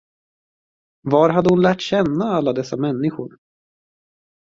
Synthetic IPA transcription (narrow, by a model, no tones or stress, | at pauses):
vaɾɦad̪ːəhʊnlæːʈɕɛnːaalːad̪ɛsːamɛnːɪɧʊɾ